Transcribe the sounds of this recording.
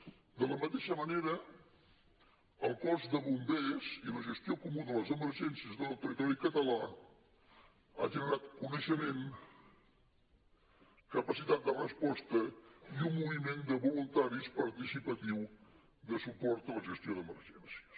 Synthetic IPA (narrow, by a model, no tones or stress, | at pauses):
d̪ələmət̪eʃəməneɾə | əlˠkɔzd̪əβumbeziləʒəst̪iokumuðələzəməɾʒɛnsiəzðələwt̪ərit̪ɔɾikət̪əla | a̰ʒənəɾat̪kunəʃəmen | kəpəsit̪at̪̚d̪ərəspɔst̪əiumːuβimend̪əβulunt̪aɾispəɾt̪isipət̪iw | ðəsupɔɾt̪ələʒəst̪ioðəməɾʒɛnsiəs